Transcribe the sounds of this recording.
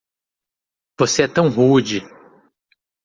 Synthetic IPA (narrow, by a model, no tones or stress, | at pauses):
voseɛt̪ɐ̃w̃ɦud͡ʒi